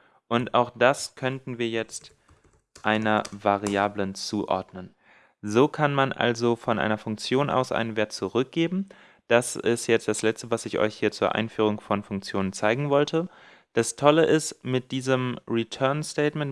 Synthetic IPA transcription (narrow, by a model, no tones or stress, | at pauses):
ʔʊnta̰ʊxd̥askʰœntn̩viːɐjɛt͡st | ʔaɪnɐvaʁiaːblənt͡suːʔɔ̰ɐdnən | zoːkʰanmanʔa̰lzofɔnʔa̰ɪnɐfʊŋk̚t͡sjoːnʔa̰ʊsʔa̰ɪnənveːɐt̚t͡suʁʏk̚ɡ̥eːbm̩ | d̥asɪstjɛt͡std̥aslɛt͡stəvasɪçʔɔ̰ʏçhiːɐt͡suːɐʔa̰ɪnfyːʁ̞ʊŋfɔnfʊŋk̚t͡sjoːnənt͡saɪɡŋ̩vɔltʰə | d̥astʰɔləʔɪstmɪt̚d̥iːzəmʁitʰœɐnstɛɪtmɛnt